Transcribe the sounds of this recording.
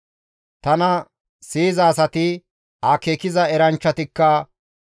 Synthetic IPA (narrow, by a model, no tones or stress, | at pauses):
t̪ɐnɐ | siːzɐːsɐt̪ɪ | ɐkeːkɪzɐɛɾɐnt͡ʃːɐt̪ɪkːɐ